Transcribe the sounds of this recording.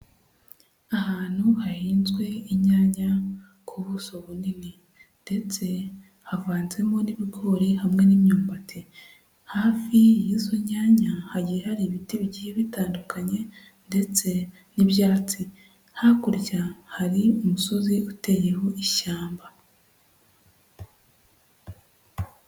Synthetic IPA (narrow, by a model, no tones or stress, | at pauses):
aɦaːn̥huhahiːnzɡwe̞iɲaːɲa | kʰuβuso̞βunini | nde̞t͡se̞ | havaːnze̞mo̞niβiɡo̞ɾihamŋe̞nimɲuːmbatʰe | haːfijizoɲaːɲahaɟijehaɾiβitiβɟiheβitaːndukaɲe̞ | nde̞t͡se̞ | niβjaːt͡si | hakuɾcahaɾiumuso̞ziute̞je̞ho̞ʔiʃaːmba